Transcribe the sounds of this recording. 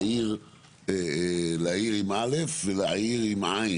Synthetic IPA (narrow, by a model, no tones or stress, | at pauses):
iʁ | elaiʁimʔalefvelaiʁimʕa